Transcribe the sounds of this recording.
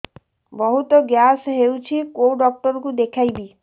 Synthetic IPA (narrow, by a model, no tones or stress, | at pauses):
bɔɦut̪ɔɡjasɦewt͡ʃʰikowɖɔk̚ʈɔɾɔkud̪ekʰajbi